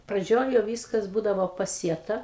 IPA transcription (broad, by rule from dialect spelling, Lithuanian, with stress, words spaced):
prɐˈd͡ʒʲoːj jɛʊ ˈʋʲiːskɐs ˈbuːdɐʋoː pɐˈsʲiɛtɐ